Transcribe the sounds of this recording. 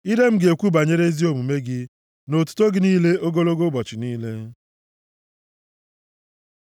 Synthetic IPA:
i˦de˦m̩˦ɡe˨kʷu˦ba˨ɲe˦ɾe˦zi˦o˦mu˨me˦ɡɪ˦ | no˨tu̥˦to˦ɡɪ˨niː˦le˦o˦ɡo˦lo˦ɡo˦bɔ˨t͡ʃɪ˨niː˦le˦

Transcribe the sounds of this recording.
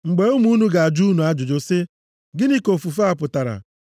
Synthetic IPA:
ŋ͡m̩˨ɡ͡be˨u˦mu˦nu˦ɡa˨a˨d͡ʒu˦nu˨a˦d͡ʒʊ˨d͡ʒo˨sɪ˦ | ɡɪ˦ni˦ko˨fu˨fa˦a˨pʊ˨ta˨ɾa̰˨

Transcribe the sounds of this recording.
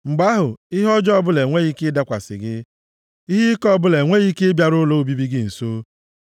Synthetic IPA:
ŋ͡m̩˨ɡ͡ba˦ɦʊ˨ɪ˦ɦɔ˦d͡ʒɔ˦bʊ˦le˨ŋʷe˦ɣi˦ke˦da˦kʷa̰˨sɪ̰˨ɡɪ˦ | i˦ɦi˦kɔ˦˨bʊ˦le˨ŋʷe˦ɣi˦ke˦bja˨ɾʊ˦lo˦˨bi˦bi˦ɡɪ˦n̩˨soː˦

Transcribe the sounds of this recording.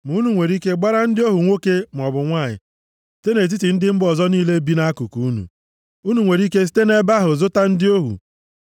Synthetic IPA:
m˨˦nu˨ŋʷe˨ɾi˦ke˦ɡ͡ba˦ɾa˦n̩˦dɪ˦o˦ɦu˨ŋʷo˦ke˦m̩˨ɔ˨bʊ˨ŋʷa˦˨ɲɪ̰˨ | sste˦ne˨t̬i˦ti˨n̩˦dɪ˦m̩˦bɔ˨zɔ˦niː˦le˦bi˦na˦ku˨ku˨u˦nṵ˨ | u˦nu˨ŋʷe˨ɾi˦ke˦s̬i̥˦te˦ne˦ba˦ɦʊ˨zʊ˦ta˦n̩˦dɪ˦o˦ɦṵ˨

